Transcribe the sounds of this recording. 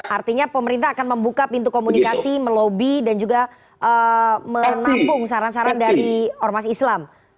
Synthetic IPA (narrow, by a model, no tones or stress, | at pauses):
ʔart̪iɲapəməɾint̪aːkanməmbukapint̪ʊkːomunikasiməlobidand͡ʒuɡa | ʔəmənampʊŋsaɾansaɾandaɾiɔrmasislam